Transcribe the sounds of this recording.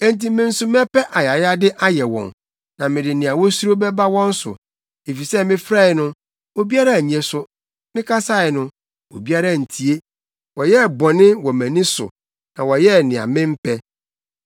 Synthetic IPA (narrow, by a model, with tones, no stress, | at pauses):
ɛ̃˦n̩˦t̬ĩ˦mɪ̃˦n̩˦sʊ˦m˦ɛ˦pɛ˦ʔa˨ja˨ja˦dɪ˦ʔa˦jɛ˨wɔ̰̃˨n | nã˨mɪ̃˨dɪ˨nɪ̃˨a˨wɔ˦su˦o˦bɛ˦ba˦wɔ̃˦n̩˦sʊ̰˨ | e˨fi˨sɛ˦mɪ̃˦fɾa˦ɪ˨nʊ̃˦ | o˨bi˦a˦ɾa˦˨ɲ˨ɛ̃˨sʊ˦ | nɪ̃˦kʰa˦sa˦ɪ˨nʊ̃˦ | o̰˨bi˦a˦ɾa˦˨n̩˨tʰi˨e˦ | wɔ˨jɛ˦˨bɔ˨nɪ̃˦wɔ˨mæ̃˨nĩ˦sʊ̰˨ | nã˨wɔ˨jɛ˦˨nɪ̃˨a̰˨mɪ̃˦m̩˦pʰɛ˦